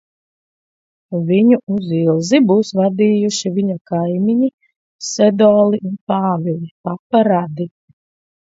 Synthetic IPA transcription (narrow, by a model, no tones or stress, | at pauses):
vʲiɲuuzilˠzibuːsvad̪iːjuʃivʲiɲɔkajmiɲi | sɛd̪ɔːlˠiʔunpaːvʲilʲˠipapːaɾad̪i